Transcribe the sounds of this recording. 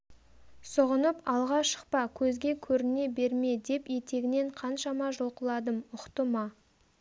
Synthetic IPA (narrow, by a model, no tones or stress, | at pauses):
səʁənəpɑlˠʁɑʃə̥q̚pɑkʲʰɵzɡʲe̞kʲʰɵɾɪne̞be̞ɾme̞d̪e̞pje̞t̪e̞ɡʲɪne̞ɴqʰɑnʃɑmɑʒolˠqəlˠɑd̪əmʊqt̪əmɑ